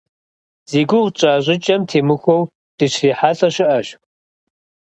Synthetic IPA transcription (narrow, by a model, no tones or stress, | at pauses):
z̥eːɡʷʊʁt͡ʃʼaːʑʷʼɪt͡ʃʼɐmtʰeːmɨxʷow | d̥ɨɕriːħaːɬɐɕɪʔɐɕ